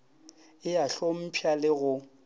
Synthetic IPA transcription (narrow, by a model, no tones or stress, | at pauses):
ɪaɬom̩pʰjalɪɣʊ